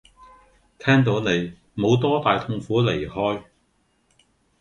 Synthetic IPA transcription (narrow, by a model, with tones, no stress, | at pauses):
t̪ʰɛː˥ŋt̪̬o˨˥wne˨˧j | mo˨˧wt̪ɔː˥t̪aː˨jt̪ʰʊ˥ŋfuː˨˥le˨˩jhɔː˥j